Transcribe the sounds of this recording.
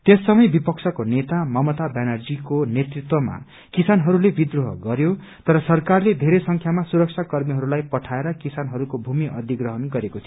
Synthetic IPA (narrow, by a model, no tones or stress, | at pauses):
t̪esːʌmʌjbipʌksʰʌkonet̪amʌmʌt̪abanʌrd͡zikonet̪rit̪wʌma̰ | kisanɦʌɾulebid̪roɦʌɡʌɾjo | t̪ʌɾʌsʌrkarled̪ʱeɾesʌŋkʰjamasuɾʌk̚t͡ʃʰakʌrmiɦʌɾulajpʌʈʰaeɾʌkisanɦʌɾukobʱumiʔʌd̪ʱiɡrʌɦʌnɡʌɾekot̪ʰi